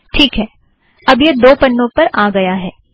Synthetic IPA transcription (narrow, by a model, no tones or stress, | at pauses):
ʈʰiːkɦɛː | ɐbjed̪oːpɐɳːõpɐɾaːɡɐjaɦɛː